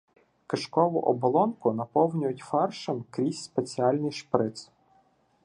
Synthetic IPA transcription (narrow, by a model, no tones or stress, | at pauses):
kɪʃkɔʋʊ̰ʔɔbɔlˠɔnkʊnɐpɔwnʲʊjʊtʲfɑrʃɪmkɾʲisʲspet͡sʲiɑlʲnʲijʃpɾɪt̪s